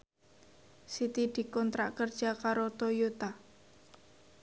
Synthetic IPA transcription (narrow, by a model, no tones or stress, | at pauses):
sit̪id̪̥i̤kɔnt̪ɾaʔkərd̥ʒ̥a̤kaɾot̪ojot̪a